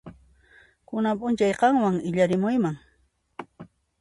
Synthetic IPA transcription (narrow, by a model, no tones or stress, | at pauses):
kʊnapʼʊnt͡ʃajqɑŋwaŋɪʎaɾɪmʊjmaŋ